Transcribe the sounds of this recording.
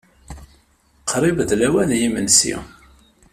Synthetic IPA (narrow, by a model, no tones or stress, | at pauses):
qʰːɾˤivəðlæwænjimənsḭ